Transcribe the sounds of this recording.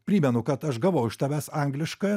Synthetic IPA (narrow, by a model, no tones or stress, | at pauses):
pʲɾʲiːmʲɛnʊkɐt̪ɐʃɡɐʋoʊɪʃt̪ɐʋʲæːsɑˑŋɡlʲɪʃkɐjɛ